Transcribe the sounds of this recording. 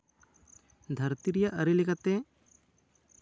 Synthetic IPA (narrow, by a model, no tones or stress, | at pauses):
d̪ʱəɾt̪iɾijaʔəɾilikat̪e